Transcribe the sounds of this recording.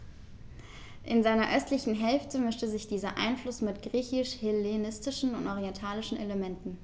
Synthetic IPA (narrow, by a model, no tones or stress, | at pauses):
ʔɪnzaɪnɐʔœstʰlɪçn̩ɦɛlftʰəmʏstəzɪçd̥iːzɐʔa̰ɪnflʊsmɪtɡ̥ʁiːçɪʃhɪlenɪstɪʃn̩ʊntʔɔʁiɛntʰaːlɪʃn̩eləmɛntn̩